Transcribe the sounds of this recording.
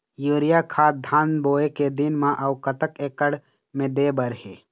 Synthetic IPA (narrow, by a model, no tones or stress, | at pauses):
juːɾɪjakʰaːd̪ʱaːnboːeked̪ɪnmãʔəwkət̪əkeːkəɽ | mẽd̪eːbəɾɦeː